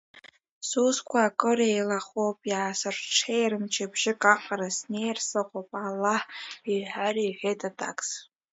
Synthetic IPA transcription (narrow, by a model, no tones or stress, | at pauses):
suskʷʰaːkʼɨɾejlaχopʼjaːsɨrʈ͡ʂʰejrɨmt͡ʃʰabʒɪkʼaqʼaɾasnejrsɨqʷopʼalːaħiħariːħʷᶣejtʼatʰʼa̰kʼs